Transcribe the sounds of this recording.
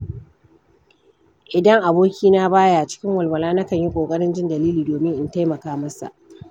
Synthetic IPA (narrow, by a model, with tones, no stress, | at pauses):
ʔɪ˨dɐ˦ŋʔa˨boː˦kʲiː˦na˦baː˦ja˦˨ʔt͡ʃɪ̥˦kʲɪ˦ŋwɐ˨lwɐ˨laː˦na˦kɐ˦˨ɲji˦kʷʼoː˨kʼɐ˦ɽɪ˦nd͡ʒɪ˦ndɐ˨liː˦liː˨doː˨mɪ˦ŋʔɪ˦nta˦jmɐ˨kaː˦mɐ˦sa̰˨ʔ